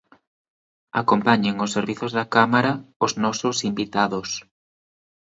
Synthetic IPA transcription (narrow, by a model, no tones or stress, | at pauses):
a̰kompaɲeŋʊsːeɾβiθʊzðɐkamaɾɐoznɔsʊsimbit̪aðʊs